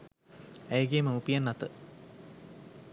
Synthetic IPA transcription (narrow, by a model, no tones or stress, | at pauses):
ejɡeːməupijanːat̪ə